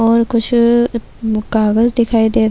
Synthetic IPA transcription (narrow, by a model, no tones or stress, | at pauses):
ɔːɾkʊt͡ʃʰ | kaːɡəzd̪ɪkʰaːid̪eːt̪